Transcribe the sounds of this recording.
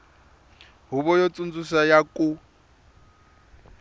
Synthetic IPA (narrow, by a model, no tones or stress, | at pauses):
ɦuβɔjɔt͡sʼund͡zusajakʼu